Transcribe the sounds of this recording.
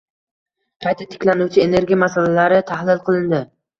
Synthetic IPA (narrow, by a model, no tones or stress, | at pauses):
qʰɑjt̪ʰat̪ʰɪ̥kʲlanuwt͡ʃʰɪene̞ɾɡʲijamasalalaɾɪt̪ʰahlɪlˠqʰɨlˠɪnd̪ɪ